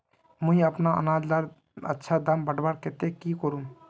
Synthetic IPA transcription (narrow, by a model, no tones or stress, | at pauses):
mə̃iəpnaə̰naːd͡ʒlaɾ | ə̰tːʃʰad̪əmbəɽbaɾket̪ekikoɾu